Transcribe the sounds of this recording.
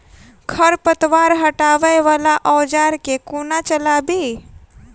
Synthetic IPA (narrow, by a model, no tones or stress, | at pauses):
kʰəɾpət̪ʋaɾɦəʈaːʋəjʋalaʔɔwd͡ʒaɾkekonat͡ʃəlaːbi